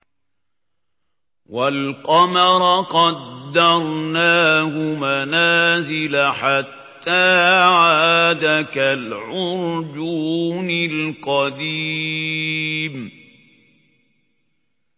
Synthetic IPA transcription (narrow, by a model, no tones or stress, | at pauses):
walqɑmɑɾˤɑqɑd̪ːɑɾˤnaːhʊmanaːzɪlaħat̪ːaːʕaaːd̪akalʕʊɾd͡ʒuːnɪlqɑd̪iː | m